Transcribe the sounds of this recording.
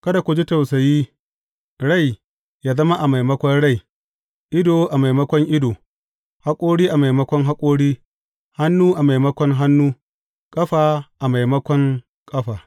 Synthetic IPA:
kɐ˦da˨kʷʊ˨d͡ʒi˦ta˨wsa˨jiː˦ | ɽa˦˨j | jaː˦zɐ˦ma˦ʔa˨ma˨jmɐ˦kʷɔ˦nɽa˦˨j | ʔɪ˦doː˨ʔa˨ma˨jmɐ˦kʷɔ˦ŋʔɪ˦doː˨ | ha˦kʷʼoː˦ɽiː˦ʔa˨ma˨jmɐ˦kʷɔ˦ŋɦa˦kʷʼoː˦ɽiː˦ | ha˦nːuː˦ʔa˨ma˨jmɐ˦kʷɔ˦ŋɦa˦nːuː˦ | kʼɐ˦ɸaː˨ʔa˨ma˨jmɐ˦kʷɔ˦ŋ | kʼɐ˦ɸaː˨

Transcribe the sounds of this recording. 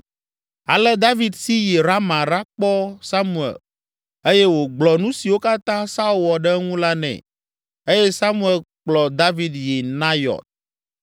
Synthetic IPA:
a̰˨lɛ˦d̪a˦vi˦d̪si˦jɛ˨ɾa˦mã˨ɾa˦k͡pɔ˦sa˦mu˨ɛ̰˨l | e˦je˦wo˨ɡ͡blɔ˨nũ˦si˨wo˦ka˦t̪ã˦sa˦u˦lwɔ˨ɖɛ˦ŋũ˦la˦nɛ̰̃˨ | e˦jɛ˦sa˦mũ˦e˨lk͡plɔ˨d̪a˦vi˦d̪jɛ˨nã˦jɔ̰˨t̪̚

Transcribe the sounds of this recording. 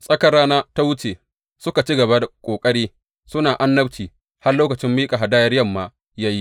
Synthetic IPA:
sʼɐ˦kɐ˦raː˦naː˦ta˦wʊ˦t͡ʃeː˨ | sʊ˦ka˨t͡ʃi˦ɡɐ˨ba˦da˨kʷʼoː˨kʼɐ˦ɽiː˦ | sʊ˦naː˨ʔa˦nːɐ˦bt͡ʃiː˨ | ha˦rloː˦kɐ˨t͡ʃɪ˦mːiː˦kʼa˨ɦa˨daː˦jɐ˦rjɐ˦˨mːaː˦ | jaː˦ji˦

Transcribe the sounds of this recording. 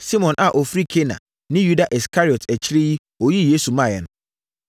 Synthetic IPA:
si˦mɔ̃˨nʔa˨ʔɔ˨fɾi˦kʰe˦nã̰˨ | nɪ̃˦ju˦da˨ʔi˨skʰa˦ɾi˨ɔ˨tʰɛ˨t͡ɕʰɪ˦ɾe˦ji˦ | o˨ji˦˨jeː˦su˨mã˦˨jɛ˨nʊ̃˦

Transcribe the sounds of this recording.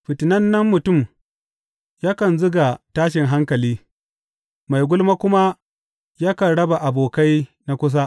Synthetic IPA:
ɸɪ˨tɪ˨nɐ˦nːɐ˦mːʊ˨tʊ˦˨m | jaː˦kɐ˨nzʊ˦ɡa˨taː˦ʃɪ˨ŋɦa˦ŋkɐ˨liː˦ | ma˨jɡʷʊ˦lma˦kʷʊ˦ma˦ | jaː˦kɐ˨nɽɐ˦ba˨ʔa˨boː˨ka˦jna˦kʷʊ˦s̬a˦ʔ

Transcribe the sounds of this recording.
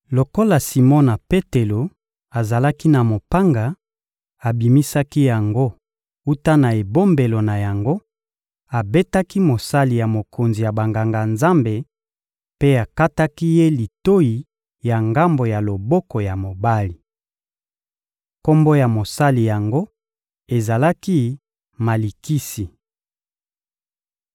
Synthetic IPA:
lo˨ko˦la˨si˨mɔ˦na˨pe˦te˨lo˨ | a˨za˨la˦ki˦na˨mo˨pa˦ŋɡa˨ | a˨bi˨mi˦sa˦ki˦ja˨ŋɡo˦ | u˦ta˦na˨e˨bo˦mbe˨lo˨na˨ja˨ŋɡo˦ | a˨be˦ta˦ki˦mo˨sa˦li˨ja˨mo˨kʰo˨nzi˨ja˨ba˨ŋɡa˨ŋɡa˨nza˦mbe˨ | pe˦a˨ka˦ta˦ki˦je˦li˨to˦ji˨ | ja˨ŋɡa˦mbo˨ja˨lo˨bɔ˦kɔ˨ja˨mo˨ba˦li˨ | ko˦mbo˦ja˨mo˨sa˦li˨ja˨ŋɡo˦ | e˨za˨la˦ki˦ | ma˨li˨ki˦si˨

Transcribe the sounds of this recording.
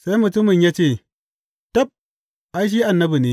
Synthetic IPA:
sa˦i˦mu˨t͡su˦mu˨ɲe˦t͡ʃi˦˨ | ta˦p̚ | a˦i˦ʃ̬i˦a˨nːɐ˦bu˨ni˨

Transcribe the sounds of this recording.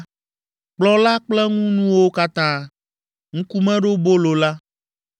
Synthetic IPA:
k͡plɔ˦la˦k͡plɛ˦ŋũ˦nũ˦wo˦ka˦t̪ã˦ | ŋũ˦ku˦mɛ̃˦ɖo˦bo˦lo˨la˦

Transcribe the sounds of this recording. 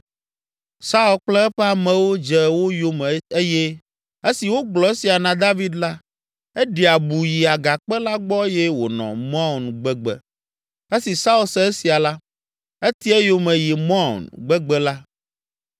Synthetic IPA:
sa˦u˨lk͡plɛ˦ɛ˦ɸɛ˦a˨mɛ̃˨wo˦d͡ʒɛ˨wo˦jo˦mɛ˨e˦jɛ˦ | e˦si˨wo˦ɡ͡blɔ˨e˦si˨a˨nã˨d̪a˦vi˦d̪la˦ | ɛ˦ɖi˨a˨bu˨ji˨a˨ɡa˨k͡pɛ˦la˦ɡ͡bɔ˦jɛ˦wo̰˨nɔ̰̃˨mɔ̃˦˨nɡ͡bɛ˦ɡ͡bɛ̰˨ | e˦si˨sa˦u˨lsɛ˦e˦si˨a˨la˦ | e˦t̪i˦ɛ˦jo˦mɛ̃˨ji˨mɔ̃˦˨nɡ͡bɛ˦ɡ͡bɛ˦la˦

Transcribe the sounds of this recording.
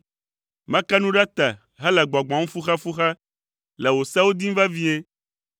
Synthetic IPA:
mã˦ka˦nũ˦ɖa˦t̪a˨ | ɦɛ˦lɛ˨ɡ͡ba˨ɡ͡bã˨ŋũ˦fu˦xa˦fu˦xa˦ | lɛ˨wo˨sa˦wo˦d̪i˦m˦va˦vi˦e˦

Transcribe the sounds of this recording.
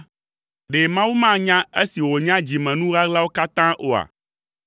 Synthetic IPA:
ɖe˨mã˦wu˦mã˦ɲã˦e˦si˨wo˨ɲã˦d͡ʑi˨mɛ̃˨nũ˦ɣa˦ɡla˦wo˦ka˦t̪ã˦ʔo˨a̰˨

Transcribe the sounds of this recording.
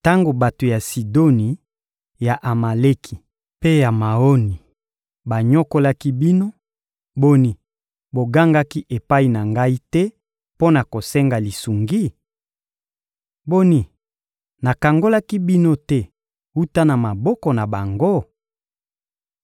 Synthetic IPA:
ta˦ŋɡo˨ba˨to˨ja˨si˨do˦ni˨ | ja˨ʔa˨ma˨le˦kʰi˨ | pe˦ja˨ma˨o˦ni˨ | ba˨ɲɔ˦ko˦la˦ki˦bi˦no˦ | bo˦ni˨ | bo˨ɡa˦ŋɡa˦ki˦ʔe˨pa˦i˨na˨ŋɡa˦i˦tɛ˦ | po˦na˨ko˨sɛ˦ŋɡa˨li˨su˨ŋɡi˦ | bo˦ni˨ | na˨ka˨ŋɡo˦la˦ki˦bi˦no˦tɛ˦ | u˦ta˦na˨ma˨bɔ˦kɔ˨na˨ba˨ŋɡo˦

